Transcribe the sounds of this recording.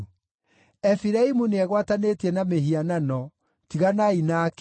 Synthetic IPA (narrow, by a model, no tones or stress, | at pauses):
ɛfiɾaimuneɛɣwatanetiɛnameɦiananɔ | tiɣanainak